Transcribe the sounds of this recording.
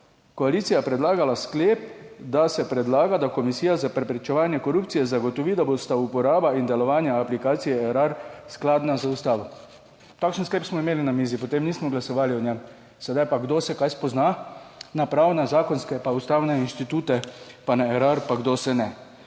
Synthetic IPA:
kɔalit̪sijapɾɛd̪laːɡalaskleːpd̪asɛpɾɛd̪laːɡad̪akɔmisiːjazapɾɛpɾɛt͡ʃɛʋaːnjɛkoɾupt̪sijɛzaɡɔt̪ɔʋid̪abost̪aupɔɾaːbaind̪ɛlɔʋaːnjaːplikaːt̪sijɛɛɾaɾsklaːd̪nazəust̪aːʋɔ | t̪akʃənskleːpsmɔimeːlinamiːzipɔt̪emniːsmɔɡlasɔʋaːliɔnʲɛm | sɛd̪ajpaɡd̪osɛkajspɔznanapɾawnazaːkɔnskɛpaust̪awnɛinʃt̪it̪uːt̪ɛpanaɛɾaɾpaɡd̪osɛnɛ

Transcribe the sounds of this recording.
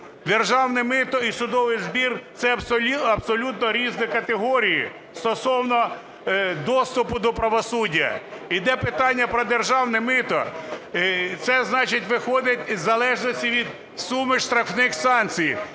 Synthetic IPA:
d̪erʒɑwnɪmɪt̪ɔisʊd̪ɔʋɪjzbʲirt̪sɛɐbsɔɐbsɔlʲut̪nɔɾʲiznɪkɐt̪eɦɔɾʲiji | st̪ɔsɔwnɔ | d̪ɔst̪ʊpʊd̪ɔpɾɐʋɔsudʲːɐ̰id̪ɛpɪt̪ɑnʲːɐpɾɔd̪erʒɑwnɛmɪt̪ɔ | t̪sɛznɑt͡ʃɪtʲʋɪxɔd̪ɪtʲzɐlˠɛʒnɔsʲtʲiʋʲid̪ | sumɪʃt̪ɾɐfnɪxsɑnt͡sʲij

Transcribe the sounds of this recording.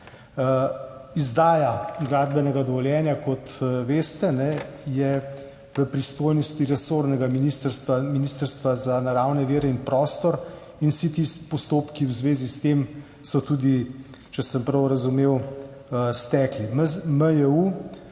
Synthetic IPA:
izd̪aːjaɡlaːd̪bɛnɛɡad̪ɔʋɔljɛːnjakɔt̪ʋeːst̪ɛnɛjɛ | ʋəpɾist̪oːjnɔst̪iɾɛsoɾnɛɡaminist̪əɾst̪ʋaminist̪əɾst̪ʋazanaɾawnɛʋeːɾɛinpɾɔːst̪ɔɾ | inwsit̪ist̪pɔst̪oːpkiwzʋeːzist̪em | sɔt̪ud̪i | t͡ʃɛsəmpɾɐwɾɐzumew | əst̪ɛːklimməjɛu

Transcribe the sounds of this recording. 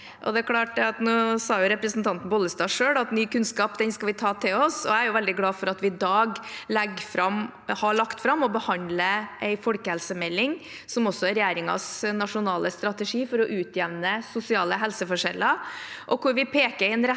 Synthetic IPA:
ʔɔ̰d̪ɛækʰlɑːʈɑt̪nuːsɑːjʊɾɛpɾəsnt̪ɑnt̪n̩bɔlːəst̪ɑːʂøːɽɑt̪nyːkʉnskɑːpd̪ɛnskɑlʋɪt̪ʰɑːt̪ʰɪlɔsɔæɪæɾjʊʋɛld̪ɪɡlɑːfɔɾɑt̪ʋɪɪd̪ɑːɡlɛɡfɾɑm | hɑɭɑkt̪fɾɑmːɔbəhɑnd̪ləʔɛɪfɔlkəhɛlsəmɛlːɪŋ | sɔmɔsːɔæɾɛjeːɾɪŋɑ̰snɑʂʊnɑːləst̪ɾɑt̪ɛʂiːfɔɾɔʔʉːt̪jɛʋnəsʊsɪɑːləɦɛlsəfɔʂɛlːəɾʔɔkʊɾʋɪpʰeːkəɾɪnɾɛ

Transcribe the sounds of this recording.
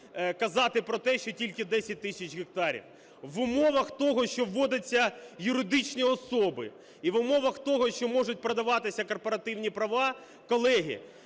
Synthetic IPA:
kɐzɑt̪ɪpɾɔt̪ɛʃt͡ʃɔtʲilʲkɪd̪ɛsʲɐt̚ʲt̪ɪsʲɐt͡ʃɣɪk̚t̪ɑɾʲḭw | ʋʊmɔʋɐxt̪ɔɦɔʃt͡ʃɔʋːɔd̪ɐt͡sʲːɐjʊɾɪd̪ɪt͡ʃnʲiɔsɔbɪ | iʋʊmɔʋɐxt̪ɔɦɔʃt͡ʃɔmɔʐʊt̚ʲpɾɐd̪ɐʋɑt̪ɪsʲɐkɔrpɔɾɐt̪ɪwnʲipɾɐʋɑ | kɔlˠɛɦʲḭ

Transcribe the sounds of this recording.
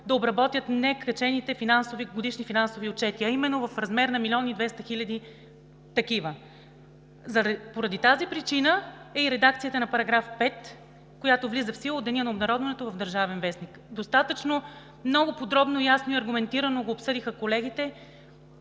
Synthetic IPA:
d̪ɐobɾɐbɔt̪ʲjət̪nɛkɾɐt͡ʃɛnit̪ɛfinansoviɡod̪iʃnifinansoviot͡ʃɛt̪iɐimɛnːovɐfɾɐzmɛɾnɐmilʲiɔnid̪vɛst̪ɐxilʲɐd̪i | t̪ɐkivə | zɐpoɾɐd̪it̪azipɾit͡ʃinəɛiɾɛd̪ak̚t̪sijət̪ənɐpɐɾɐɡɾafpɛt̪ | kojat̪ovlizəfsilˠod̪ɛniənɐobnɐɾɔd̪vɛnɛt̪ovɐvd̪ɐɾʒavɛnvɛsnikd̪ost̪at̪ət͡ʃno | mnɔɡopod̪ɾɔbnoijasnoiɐɾɡʊmɛnt̪iɾənoɡoːpsɤd̪ixəkolɛɡit̪ɛ

